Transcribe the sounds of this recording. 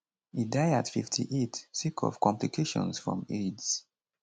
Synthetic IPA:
idaɪatfiftʰḭʔetsikʰɔ̰v̥kɔ̃mplikʰeʃɔ̰̃nsfɹɔ̰̃meds

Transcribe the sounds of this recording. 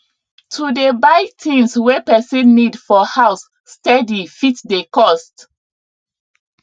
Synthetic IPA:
tʰudebaɪtʰĩnswepɛsinnːidfɔhaʊsː | tɛdifitdekɔst

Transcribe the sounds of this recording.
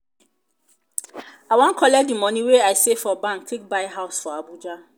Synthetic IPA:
awãŋkʰɔlɛdimɔ̃nĩweaɪsefɔbãŋk̚tʰek̚baɪɦaʊsfɔabud͡ʒa

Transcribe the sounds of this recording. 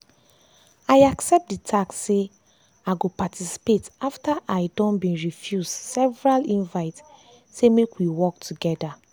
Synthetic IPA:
ajaksɛp̚t̚ditʰaksːe | aɡopatʰisi̥petaftaʔaɪdɔ̃nbĩɹifjuzdsɛvɹalĩnvaɪt | semekwiwɔk̚tʰuɡɛda

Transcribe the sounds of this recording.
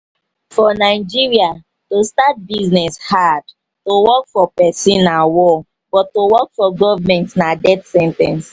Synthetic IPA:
fɔnaɪd͡ʒiɹia | tostat̚biznɛshad | towɔkfɔpɛsĩnːawɔ | b̥ɔtːowɔk̚fɔɡɔvmɛ̃ntnadɛdsɛ̃ntɛ̰̃ns

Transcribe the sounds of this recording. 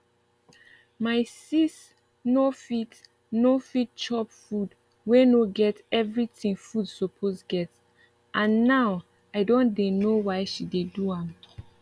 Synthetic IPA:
maɪsis | nofit | nofit̚t͡ʃɔpfud | wenoɡɛtɛvɹitĩŋfudsɔpʰosɡɛt | ʔãnːaw | aɪdõndenowaɪʃideduãm

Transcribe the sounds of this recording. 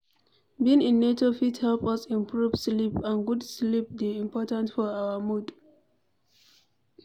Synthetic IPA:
bĩnĩnːetofithɛlpɔsĩmpʰɹuvslipãnɡudslip̚deĩmpɔtãntfɔawəmud

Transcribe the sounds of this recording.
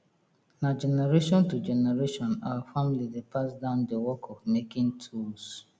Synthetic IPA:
nad͡ʒɛneɾeʃɔ̃ntud͡ʒɛneɾeʃɔ̃nawfamilidepʰasdãʊ̃ndewɔkʰɔvmekɪ̃ŋtʰuls

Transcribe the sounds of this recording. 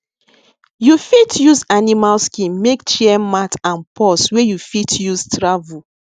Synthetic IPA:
jufitʰjuzanimalskĩnmekt͡ʃiɛmatãnpʰɔswejufitʰjuztɹavu

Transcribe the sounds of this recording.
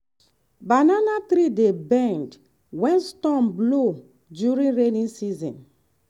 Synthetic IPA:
bananat̪ɾidebɛ̃nd | wɛ̃nstɔ̃mblo | djuɹĩnɹenĩnsizɔ̰̃n

